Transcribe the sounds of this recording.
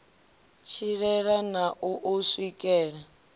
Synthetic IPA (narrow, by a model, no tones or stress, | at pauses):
t͡ʃʰiɺɛɺanaʔuʔuswikʼɛːɺa